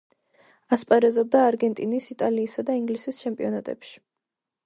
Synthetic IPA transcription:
aspʼaɾɛzɔb̚d̪aːɾɡɛnt̪ʼinisit̪ʼaliːsad̪aiŋɡlisist͡ʃʰɛmpʼiɔnat̪ʼɛ̰pʃi̥

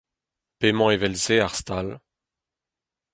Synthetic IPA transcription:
pemɑ̃evɛlseaʁst̪al

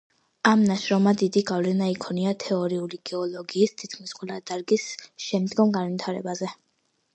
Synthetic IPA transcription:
amnaʃɾɔmad̪id̪iɡavlɛnaikʰɔniat̪ʰɛɔɾiuliɡ̥ɛɔlˠɔɡiːst̪ʰit̪̚kʰmisqʼwɛlad̪aɾɡisʃɛmd̪ɡɔmɡanvit̪ʰaɾɛbazɛ

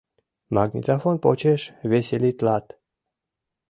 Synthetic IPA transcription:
maɡnʲḭt̪afonpot͡ɕeʃvʲesʲelʲit̪lˠat̪

